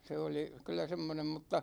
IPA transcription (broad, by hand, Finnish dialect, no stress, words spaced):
se oli kylˑæ semːonem mutːɑ